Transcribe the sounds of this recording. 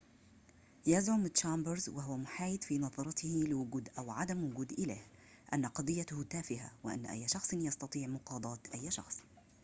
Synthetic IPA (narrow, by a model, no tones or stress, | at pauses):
jazʕʊmɪt̪t͡ʃaːmbəɾzwaɦʊwamʊħaːjɪd̪fiːnɑðˤɑɾˤɑt̪ɪhɪlɪwʊɡuːd̪ʔawʕad̪amwʊɡuːd̪ʔɪlaːh | ʔanːaqɑd̪ˤɨjːat̪ʊhʊt̪aːfɪɦa̰wɪʔa̰nːʔa̰jːʃɑxsˤɨnjɑst̪ɑt̪ˤiːʕmʊqɑːd̪ˤɑːt̪ʔajːʃɑ̰xsˤ